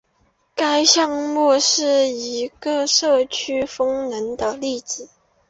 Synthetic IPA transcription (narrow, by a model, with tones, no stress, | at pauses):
ka˥ɪɕjɑ˥˧ŋmɔ˥˧ʂɻ̩˥˩i˧˥ɡə˧ʂɤ˥˩t͡ɕʰy˥fɤ˥ŋnə˧˥nd̪ə˧li˥˩t͡s̩˨˩˦